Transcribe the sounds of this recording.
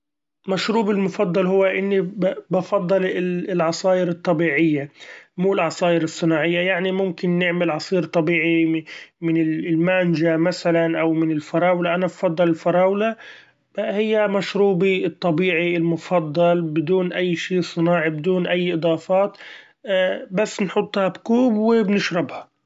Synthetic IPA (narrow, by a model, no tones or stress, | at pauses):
maʃɾuːbɪlmʊfɑd̪ˤːɑlhʊwːaʔɪnːibɑfɑd̪ˤːɑllʕɑsˤɑːʔɪɾɨt̪ˤːɑbiːʕɪjːamuːɪlʕɑsˤɑːʔɪɾɨsˤːɨnɑːʕɪjːajaʕnimʊmkɪnːɪʕmɪlʕɑsˤiːɾt̪ˤːɑbiːʕimɪnɪlmanʒamasalanʔawmɪnɪlfɑɾˤɑːwlaʔanabɑfɑd̪ˤːɑlɪlfɑɾˤɑːwla | hɪjːamaʃɾuːbit̪ˤːɑbiːʕiɪlmʊfɑd̪ˤːɑlbɪd̪uːnʔajːʃiːsˤɨnɑːʕibɪd̪uːnʔajːʔɨd̪ˤɑːfɑːt̪ː | basːnħʊt̪ˤːhɑbkuːbwɪbnɪʃɾɪbha